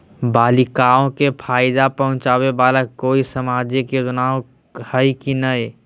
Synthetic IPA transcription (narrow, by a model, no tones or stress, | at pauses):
baːlɪkaːõkepʰaːɪd̪apɐɦʊ̃t͡ʃaːwebaːlakoːisɐmaːd͡ʒeked͡ʒʊnaːw | həikinɐe